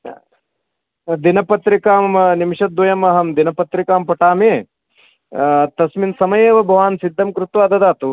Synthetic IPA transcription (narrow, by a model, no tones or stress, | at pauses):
d̪inɐpɐt̪ɾikaːmnimʂɐd̪ːʋɐjɐmɐɦɐmd̪inɐpɐt̪ɾikaːmpɐʈaːmeː | t̪ɐsminsɐmɐjeːʋɐbʱɐʋaːnsid̪ʱːɐmkɾut̪ʋaːd̪ɐd̪aːt̪u